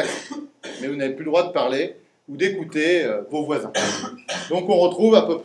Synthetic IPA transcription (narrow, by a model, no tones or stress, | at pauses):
mɛvunaveplyləd̪ʁwad̪əpaʁle | ud̪ekut̪eøvovwazɛ̃d̪ɔ̃kɔ̃ʁət̪χuvapøp